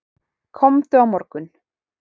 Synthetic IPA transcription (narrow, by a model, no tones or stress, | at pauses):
kʰɔmθʏawmɔɾkʏn